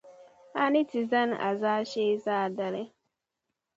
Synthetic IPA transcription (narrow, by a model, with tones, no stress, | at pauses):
a˦nɪ˦ti˨za˦na̰˨zaː˦ʃeː˦zaː˦˨da˨le˦